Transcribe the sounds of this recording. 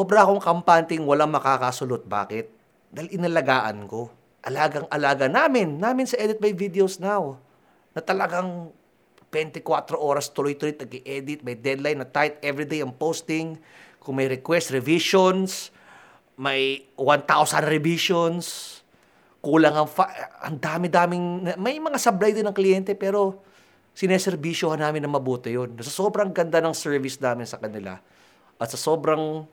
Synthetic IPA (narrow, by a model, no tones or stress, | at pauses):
sobɾɐɐkoŋkɐmpant̪ɪŋwɐlaŋmɐkaːkɐsʊlot̪̚ba̰ːkɪt̪̚ | d̪ajlɪnɐlɐɡaːʔɐ̰nko̞ | ʔɐlaːɡɐŋʔɐlaːɡɐnaːmɪnːaːmɪnsɐʔɛːd̪ɪt̪̚mɐjvid̪ɪosnaw | nɐt̪ɐlɐɡaŋ | b̥ɛnt̪ɪkwat̪ɾoʔo̞ːɾɐst̪ʊlojt̪ʊlojt̪̚ɐɡɪʔɛd̪ɪt̪̚mɐjd̪ɛd̪lajnːɐt̪ajt̪̚ɛvɾɪd̪ejɐŋpost̪ɪŋkʊŋmɐjɾɛkwɛst̪ɾɛviʃons | mɐjwant̪awsɐnɾɛviʃons | kuːlɐŋɐŋfaʔɐ̰ŋd̪aːmɪd̪aːmɪŋnɐmɐjmɐŋasɐblajd̪ɪnɐŋklɪjɛnt̪ɛpɛːɾo̞ | sɪnɛsɛɾbiʃjohanaːmɪnːɐŋmɐbuːt̪ɪjonːɐsɐsoːbɾɐŋɡɐnd̪anɐŋsɛɹvɪsnaːmɪnsɐkɐnɪla̰ | ʔɐt̪sɐso̞ːbɾɐŋ